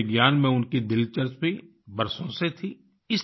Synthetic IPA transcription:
ɪɡjaːnmẽʊnkid̪ɪlt͡ʃəɾt͡ʃbʱi | bɐɾsõset̪ʰiː | ɪs

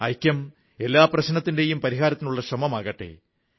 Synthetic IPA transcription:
ɐjkʲːjɐm | e̞lːaːprɐɕnɐt̪ːinde̞jumpɐɾiɦaːɾɐt̪ːinuɭːɐɕrɐmɐmaːɣɐʈːḛ

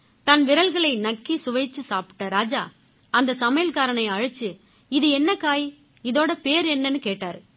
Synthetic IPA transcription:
t̪ɐnʋɪɾɐlɣɐɭɐɪnɐkːisʊʋɐɪt͡ʃːɯsaːpʈːɐɾaːd͡ʒaː | ɐnd̪ɐsɐmɐjɐlkaːɾɐɳɐɪɐɻɯt͡ʃːɯ | ɪðɯɛnːɐkaːji | ɪðoːɽɐpeːɾɛnːɐnːɯkeːʈːaːɾ

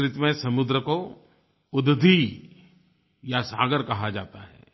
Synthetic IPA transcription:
ɾɪt̪mẽsɐmʊd̪ɾəko | ʊd̪d̪ʱi | jasaːɡəɾkɐɦad͡ʒa̰ːt̪aɦɛ̰ː

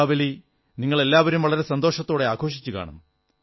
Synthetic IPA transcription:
ʋɐli | niŋːɐɭe̞lːaːʋɐɾumʋɐɭɐɾe̞sɐnd̪o̞ːʂɐt̪ːo̞ːɽe̞aːkʰo̞ːʂit͡ɕːuka̰ːɳɐ̰m

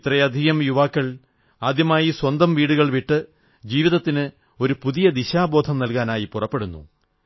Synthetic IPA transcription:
t̪rɐjɐd̪ʱijɐmjuʋaːkːɐɭ | aːd̪jɐmaːjiswɐnd̪ɐmʋiːɽuɣɐɭʋiʈːɨ | d͡ʑiːʋiðɐt̪ːinɨ | o̞ɾupuðijɐd̪iɕaːbo̞ːd̪ʱɐmnɐlkaːnaːjipurɐpːeɽunːṵ

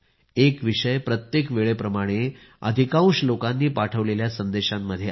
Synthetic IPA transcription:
ekʋiʂəjpɾət̪jekʋeɭepɾəmaɽ̃e | ə̰d̪ʱikãw̃ɕlokanːiːpaʈʰəʋleljasənd̪eɕamːəd̪ʱːje

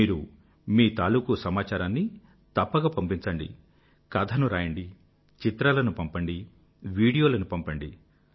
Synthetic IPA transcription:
iːɾu | miːt̪aːluːkusɐmaːt͡ʃaːɾaːnːi | t̪ɐpːɐɡaːpɐmpiɲt͡ʃɐɳɖḭ | kɐd̪ʰʱɐnuɾaːjɐɳɖi | t͡ʃit̪ɾaːlɐnupɐmpɐɳɖi | ʋiːɽijoːlɐnupɐmpɐɳɖi

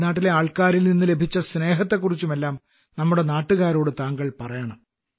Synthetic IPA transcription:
naːʈːile̞aːɭkaːɾilninːɨle̞bʱit͡ɕːɐsne̞ːɦɐt̪ːe̞kːurit͡ɕːume̞lːaːm | nɐmːuɽe̞naːʈːuɣaːɾo̞ːɽɨt̪aːŋɡɐɭpɐrɐjaːɳɐm

